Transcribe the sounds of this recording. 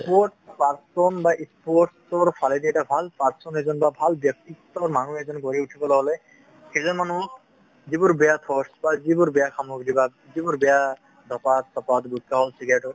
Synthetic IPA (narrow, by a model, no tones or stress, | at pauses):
spɔɹʈpaɹsɔnbaʔispɔʈsɔɹpʰalɛd̪iɛtabʱalpaɹsɔnɛzɔnbabʱalbjɔk̚t̪iɡɔt̪ɔɹmanuɛzɔnkɔɹiutʰikɔlɔɦɔlɛ | xɛzɔnmanu | zibɔɹbɛjat̪ʰɔɹsbazibɔɹbɛjakʰamɔkdiba | zibɔɹbɛja | d̪ʱɔpat̪sɔpat̪butːaɦɔlsiɡajɔʈɔɹ